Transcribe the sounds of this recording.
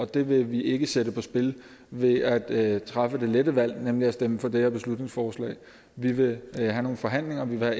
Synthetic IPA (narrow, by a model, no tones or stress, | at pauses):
ɒ̽d̥e̝ʋe̝ʋiʔe̝ɡ̥əsedəpʰɒ̽sb̥e̝l | ʋe̝æd̥t͡sʰʁɑ̈fəd̥e̝ledəʋæl̰nemliæsd̥eməfɒ̽d̥ehæɐb̥e̝slud̥ne̝ŋsfɒːslɛ̰ɪ | ʋiʋe̝hæno̝ːn̩fɒ̽ɦæn̰le̝ŋɐʋiʋe̝hæ